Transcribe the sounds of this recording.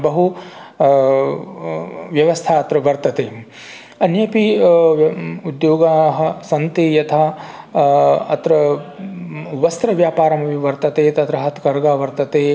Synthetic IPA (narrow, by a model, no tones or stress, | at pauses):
bɐɦu | ʋjɐʋɐst̪ʰaːɐt̪ɾɐʋɐɾt̪ɐt̪eː | ɐnjɐpi | ud̪joːɡaːɦɐ̆sɐnt̪eːjɐt̪ʰɐ | ɐt̪ɾɐ | ʋɐst̪ɾɐʋjaːpaːɾɐmɐʋiʋɐɾt̪ɐt̪eːt̪ɐt̪ɾɐɦɐt̪kɐɾɡaːʋɐɾt̪ɐt̪eː